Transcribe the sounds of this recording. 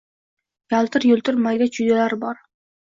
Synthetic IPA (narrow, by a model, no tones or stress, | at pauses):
jalˠt̪ʰɪɾjɵlˠt̪ɪɾmaɡʲat͡ʃʰud̪alaɾbɒɾ